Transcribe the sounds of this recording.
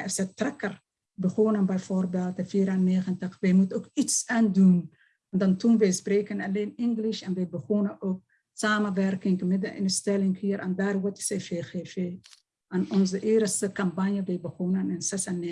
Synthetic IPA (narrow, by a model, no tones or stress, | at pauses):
ɛsɛtrɛkər | bəxonənbɛjfoːrbeːlˠtəfiːɾanːeːχəntəxʋɛjmutənokitsaːndun | ɔndɑntunʋɛjspreːkənaleːnɪŋɡlɪʃɛnʋɛjbəɣoːnəʔoːk̚ | saːmənʋɛrkɪŋkəmɪdəɪ̰nəstɛlɪŋkhiːɾʔandaːrʋɔtɪ̥sfeːxefe | anɔnzəʔeːɾəstəkampanjəʋɛjbəɣonənɪnsɛsane